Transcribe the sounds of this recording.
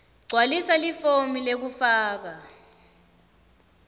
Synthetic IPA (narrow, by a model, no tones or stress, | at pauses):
ɡ͡ǀʱwalisalifomilek̬ufaːk̬a